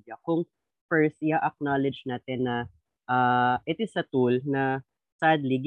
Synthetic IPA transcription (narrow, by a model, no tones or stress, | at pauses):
ɐkʊŋ | fɛɹst̪̚ʔɪhaʔɐk̚nalɛd͡ʒnaːt̪ɛnːɐ | ʔaʔɪt̪ɪsɐt̪ulnɐ | sad̪liɡ